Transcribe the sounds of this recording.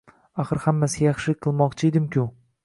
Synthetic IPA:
aχɨɾhamːasɪjɑχʃɪqʰːɨlˠmɒqt͡ʃʰɪed̪ɪmkʰʲʊ

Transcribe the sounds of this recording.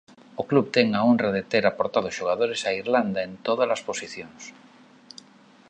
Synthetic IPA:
okluβt̪eŋaonraðet̪eɾapoɾt̪aðoʃoɣaðoɾesaiɾland̪aẽnt̪oð̞alasposiθjoŋs

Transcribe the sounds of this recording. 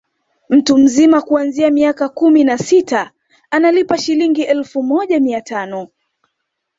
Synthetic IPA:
m̩tum̩zimakuanziamiakakuminasita | analipaʃiliŋɡiʔɛlfumɔʄamiatʰanɔ

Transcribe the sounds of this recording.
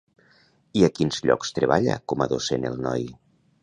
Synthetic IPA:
iakinzʎɔ̰kst̪ɾeβaʎa̰kɔmaðosenelˠnɔj

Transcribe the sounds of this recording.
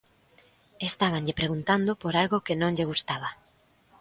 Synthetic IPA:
est̪aβ̞aŋʎepɾeɣunt̪and̪opoɾalɣokɪnõŋʎeɣust̪aβ̞a

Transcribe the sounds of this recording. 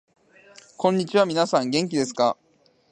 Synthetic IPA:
kõ̞ɲ̟ːit͡ɕiβamʲinasãŋɡẽ̞ŋkʲid̪e̞sɨ̥ka

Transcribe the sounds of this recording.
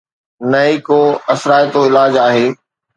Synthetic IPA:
nɐikoɐsɾaːjt̪oɪlaːd͡ʑaːɦeː

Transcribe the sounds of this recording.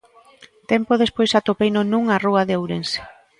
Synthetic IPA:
t̪empoð̞espojsat̪opejnonũŋaruɐðeowɾense̥

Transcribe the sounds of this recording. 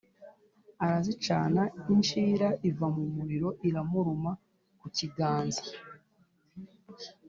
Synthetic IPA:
aɾazit͡ʃaːnaint͡ʃiːɾaʔivamumiɾiɾo̞ʔiɾamuɾuma | kuciɡaːnzḁ

